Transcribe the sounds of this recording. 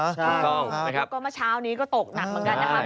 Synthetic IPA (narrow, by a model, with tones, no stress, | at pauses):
u˧˩t̪ɔ˥˩ŋna˦˥kʰa˦˥p̚kɔː˥˩maː˥˩t͡ɕʰaː˦˥wniː˦˥kɔː˥˩t̪o˨˩k̚na˨˩k̚mɯ˩˦nka˧na˦˧˥a˧˩